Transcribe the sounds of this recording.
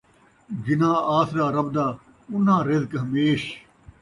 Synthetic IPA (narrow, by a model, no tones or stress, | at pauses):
d͡ʒɪnãːaːsɾaːɾɐb̚d̪aː | ʊnãːɾed̪kɦɐmeːʃ